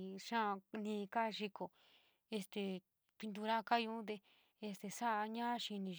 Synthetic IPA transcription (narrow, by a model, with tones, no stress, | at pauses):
ʃã˦˧nĩː˧ka˦˧ʃi˧ko˨ | e˧st̪e˧ | pi˧nd̪̬u˧ɾa˦˧ka˦jũ˧˦t̪̬e˧ | e˧st̪e˨sa˦ʔɲã˦ʃi˧nĩ˧